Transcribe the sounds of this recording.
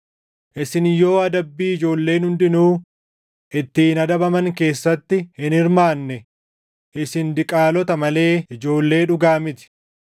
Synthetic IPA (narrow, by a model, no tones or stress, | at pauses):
ʔɪsɪnjo̞ːɐd̪ɐbːiːɪd͡ʒo̞ːlːe̞ːnhʊnd̪ɪnuː | ʔɪt̪ːiːnɐd̪ɐbɐmɐŋke̞ːsːɐt̪ːɪhɪnɪɾmaːnːɛ | ʔɪsɪnd̪ɪkʼaːlɔt̪ɐmɐle̞ːɪd͡ʒo̞ːlːe̞ːᶑʊɡaːmɪt̪ɪ̥